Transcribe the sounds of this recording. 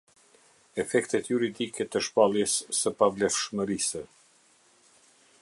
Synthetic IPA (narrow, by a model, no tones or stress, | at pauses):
ɛfɛkt̪ɛt̪juɾid̪ikɛt̪əʃpalˠjɛsːəpavlɛfʃməɾisɛ